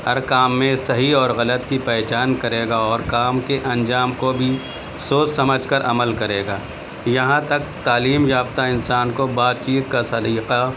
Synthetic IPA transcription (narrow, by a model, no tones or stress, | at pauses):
ɐɾkaːmːẽsɐɦiɔːɾɣɐlət̪kipɛːt͡ʃaːnkɐɾeːɡaɔːɾkaːmkeʔɐ̃nd͡ʒaːmkobʱi | soːssɐməd͡ʒʱkəɾʔɐməlkɐɾeːɡaː | jɐɦãt̪ɐk̚t̪aːliːmjaːbt̪aɪnsaːnkobaːt̪̚t͡ʃiːt̪kasɐd̪iːqa